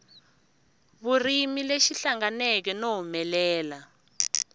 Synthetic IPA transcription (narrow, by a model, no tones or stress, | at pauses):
βurimileʃiɬaŋɡanɛk̬ɛnoɦumɛlɛːla